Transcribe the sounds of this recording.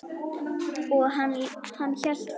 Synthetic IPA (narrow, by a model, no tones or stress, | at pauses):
ɔɣɦanːhanːçœl̥t̪